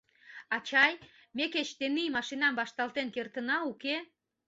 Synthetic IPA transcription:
ɑt͡ɕɑjmeket͡ɕt̪enimɑʃinɑmbɑʃt̪ɑlt̪enkert̪ənɑuke

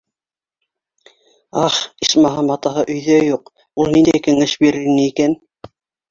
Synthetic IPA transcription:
ɑχiʃmɑɦɑmɑt̪ɑɦɤʔɵ̆jðœjuq | ulˠnind̪æjkɘ̆ŋɘʃbiɾɘ̆ɾnɘikæn

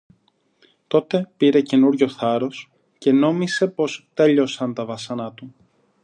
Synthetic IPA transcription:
t̪o̞t̪e̞piɾe̞ce̞nuɾʝo̞θɐɾo̞s | ce̞no̞mise̞po̞st̪e̞ʎo̞sɐnt̪ɐvɐsɐnɐt̪u

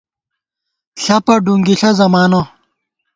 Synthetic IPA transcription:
ɬɐpɐɖuŋɡiɬɐzɐmaːno

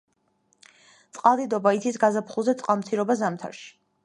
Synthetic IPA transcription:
t̪sʼqʼalˠd̪id̪ɔbait̪sʰisɡazapʰχulˠzɛt̪sʼqʼalˠmt̪sʰiɾɔbazamt̪ʰa̰ɾʃi̥

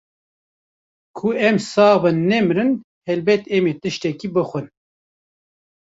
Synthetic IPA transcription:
kʰuɛmsɑːbɨnːɛmɾɨn | hɛlbɛt̪ɛmeːt̪ɨʃt̪ɛkiːbɨxʷɨn

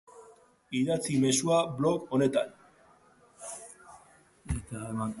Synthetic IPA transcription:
iðat͡sime̞suaβlo̞ko̞ne̞t̪an | et̪aema

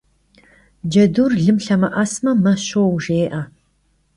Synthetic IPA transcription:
d͡ʒɐduːrɮɨmɬɐmɐʔɐsmɐmɐɕowʒeːʔɐ

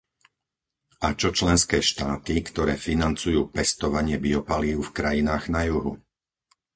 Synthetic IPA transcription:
at͡ʃɔt͡ʃlɛnskɛːʃt̪aːt̪ikt̪ɔɾɛːfinant͡sujuːpɛst̪ɔʋaɲɪɛbiɔpaliʊfkɾajinaːɣnajuɦu

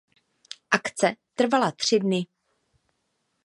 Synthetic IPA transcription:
ʔakt͡sɛt̪r̩valat̪r̝̥ɪdnɪ

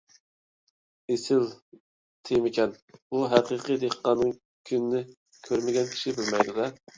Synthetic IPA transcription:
esɪl | t̪ʰejmɪkʲʰɛnbuɦæqɨːqɨd̪eqːɑnɨŋ | kʲʰynɪnɪ | kʲʰøɾmɪɡʲɛnkʲʰi̥ʃibɪlmɛjd̪ud̪ɛ

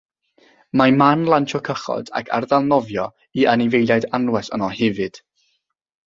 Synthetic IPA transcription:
mamanlˠantʰɔkʰəχɔ̰d̥a̰kʰa̰rðalˠnɔvjɔ | ianɪvejlˠjajdanwɛsə̰nɔhɛvɨd̥

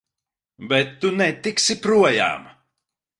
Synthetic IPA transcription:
bɛt̪ːunɛt̪iksipɾuɔja̰ːm

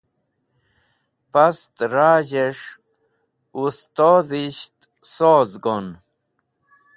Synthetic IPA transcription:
past̪ɾaːʑeʂ | ust̪oːðiɕt̪ | soːzɡon

